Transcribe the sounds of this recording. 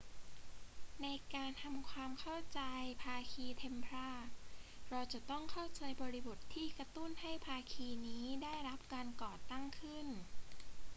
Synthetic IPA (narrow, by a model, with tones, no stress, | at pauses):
na˧jkaː˧nt̪ʰa˧mkʰwaː˧mkʰa˥˩wt͡ɕa˧jpʰaː˧kʰiː˧t̪ʰe˧mpʰɾaː˥˩k̚ɾa˧wt͡ɕa˨˩t̪ɔ˥˩ŋkʰa˥˩wt͡ɕa˧jbɔː˧ɾi˦˥bo˨˩t̪ʰːiː˥˩kɾa˧t̪u˥˩nha˥˩jpʰaː˧kʰiː˧niː˦˥daː˥˩jɾa˦˥p̚kaː˧nkɔː˨˩t̪a˥˩ŋkʰɯ˥˩n